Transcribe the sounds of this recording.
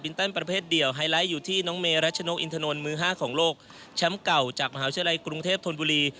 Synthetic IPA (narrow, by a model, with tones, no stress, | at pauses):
bi˧nt̪a˥˩npɾa˧pʰeː˥˩t̪̚di˨˩əwɦaː˧jla˦˥jːuː˨˩t̪ʰiː˥˩nɔː˦˥ŋmeː˧ɾa˦˥t̪̚t͡ɕʰa˧no˦˥kʔi˧nt̪ʰa˧no˧nmɯː˧˥ɦaː˥˩kʰɔː˩˦ŋloː˥˩k̚ | t͡ɕʰa˦˥mka˨˩wt͡ɕaː˨˩k̚ma˧ɦaː˧˩˦t̪ʰːla˧jkɾu˧ŋt̪ʰeː˥˩p̚t̪ʰo˧nbuː˧liː˧